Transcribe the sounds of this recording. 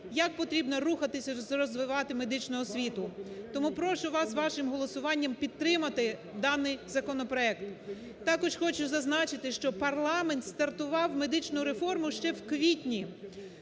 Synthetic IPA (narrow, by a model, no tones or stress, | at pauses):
jɐk̚pɔt̪ɾʲibnɔruxɐt̪ɪsʲɐzrɔzʋɪʋɑt̪ɪme̞d̪ɪt͡ʃnʊɦɔsʲʋʲit̪ʊt̪ɔmupɾɔʃʊʋɑsʋɑʃɪmɦɔlˠɔsʊʋɑnʲːɐmpʲid̪̚t̪ɾɪmɐt̪ɪd̪ɑnɪjzɐkɔnɔpɾɔɛkt̪ | t̪ɑkɔʒxɔt͡ʃʊzɐznɑt͡ʃɪt̪ɪʃt͡ʃɔpɐrlˠɑment̪st̪ɐrt̪ʊʋɑwme̞d̪ɪt͡ʃnʊɾefɔrmʊʃt͡ʃɛwkʋʲitʲnʲi